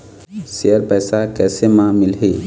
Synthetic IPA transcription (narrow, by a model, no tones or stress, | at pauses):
sejəɾpɛːsakɛːsemãmɪlɦi